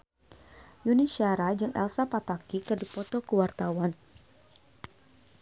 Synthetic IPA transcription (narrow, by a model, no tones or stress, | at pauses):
juniʃiaɾad͡ʒɨŋʔɛ̰lsapat̪akikɨrdipɔt̪okəwart̪awan